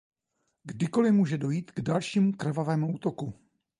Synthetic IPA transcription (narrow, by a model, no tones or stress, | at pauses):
ɡdɪko̞lɪmuːʒɛdo̞jiːt̪ɡdalʃiːmukr̩vavɛːmuuːt̪o̞ku